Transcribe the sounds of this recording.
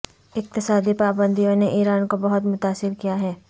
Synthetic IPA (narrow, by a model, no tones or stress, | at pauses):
ɪk̚t̪ɪsaːd̪ipaːbə̃nd̪ʱijõneʔiːɾaːnkobɐɦʊt̪mʊt̪aːsɪɾkijaɦɛː